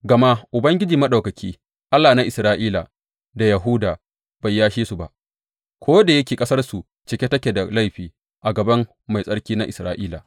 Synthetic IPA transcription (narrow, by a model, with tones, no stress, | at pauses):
ɡɐ˨ma˦ʔʊ˨bɐ˦ŋɡʲɪ˦d͡ʒiː˨mɐ˦ɗa˨wkɐ˨kʲiː˦ | ʔa˦lːaː˨na˦ʔɪ˨sɾaː˦ʔiː˦la̰˨ | da˨jɐ˨ɦu˦daː˨ | b̥a˨jːaː˦ʃiː˦su˨ba̰˨ʔ | kʷoː˦da˨jɐ˦kʲeː˨kʼɐ˦sɐ˦rsu˨ | t͡ʃɪ˨kʲe˦tɐ˦kʲe˨da˨la˦jɸiː˨ | ʔa˨ɡɐ˨bɐ˦mː | a˨jsʼɐ˦ɽkʲiː˦na˦ʔɪ˨sɾaː˦ʔiː˦la˨